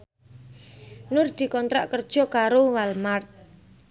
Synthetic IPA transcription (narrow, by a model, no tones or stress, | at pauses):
nʊrd̪̥i̤kɔnt̪ɾa̰ʔkərd̥ʒ̥ɔ̤kaɾowalmart̪̚